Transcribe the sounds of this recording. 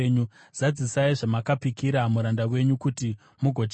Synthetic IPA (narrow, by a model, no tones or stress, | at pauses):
ɲu | z̥ad͡zisaiʐamakapikiɾamuɾandawe̞ɲukuti | muɡʱo̞t͡ʃ